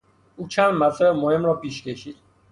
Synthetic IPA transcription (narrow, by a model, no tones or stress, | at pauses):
ut͡ʃʰanmat̪aɾɛmoɦemɾɔpiʃkeʃit̪